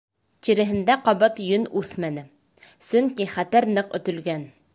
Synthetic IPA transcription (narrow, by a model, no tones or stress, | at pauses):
t̪iɾɘ̆ɦɘ̆nd̪æqɑβɤt̪jɵnʉθmænɘ | sɵŋkiχæt̪æɾnɤqɵ̰̆t̪ɵ̆lɡæn